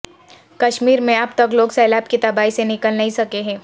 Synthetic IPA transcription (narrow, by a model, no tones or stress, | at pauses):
kɐʃmiːɾmẽɐpt̪ɐkloːɡsɛːlaːb̚kit̪ɐbaːisenɪkəlnɐɦĩsɐkeɦɛ̃ː